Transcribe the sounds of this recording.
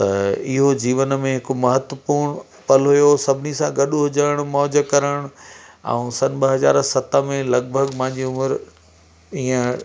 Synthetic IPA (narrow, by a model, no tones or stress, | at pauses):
t̪ɐɪɦod͡ʑiːʋənmẽɦɪkmɐɦət̪ʋəpuːɾɽ̃ | pɐlɦʊjosɐbʱɪnisãɡɐɗɦʊd͡ʑəɽ̃ʊmɔːd͡ʑəkɐɾəɽ̃ʊɛ̰̃ũsɐnɓɐɦɐza̰ːɾsɐt̪əmẽlɐɡ̚bʱəɡpãɦɪ̃ɲd͡ʑiʊməɾ | iːə̃